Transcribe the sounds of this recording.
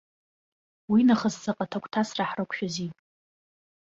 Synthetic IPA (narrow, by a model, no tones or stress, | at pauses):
winaχəzt͡sʰaqʼatʰakʷʼtʰasraħrɨkʷʰʼʃᶣazi